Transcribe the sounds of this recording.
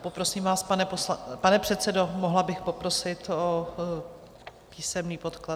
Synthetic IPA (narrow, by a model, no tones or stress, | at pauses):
popɾo̞siːmvaːspanɛpopanɛpr̝̥ɛt̪sɛdo̞moɦlabɪxpo̞pɾo̞sɪt̪o | piːsɛmniːpo̞t̪kla